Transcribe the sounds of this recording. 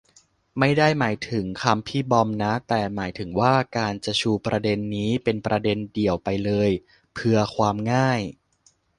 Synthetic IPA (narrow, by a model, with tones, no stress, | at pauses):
ma˥˩jda˥˩jmaː˩˦jt̪ʰɯ˩˦ŋkʰa˧mpʰiː˥˩bɔ˧mna˦˥t̪ɛː˨˩maː˩˦jt̪ʰɯ˩˦ŋwaː˥˩kaː˧nt͡ɕa˨˩t͡ɕʰuː˧pɾa˧de˧nːiː˦˥pe˧npɾa˧de˧ndi˨˩əwpa˧jlɤː˧j | pʰɯ˧ɐkʰwaː˧mŋaː˥˩j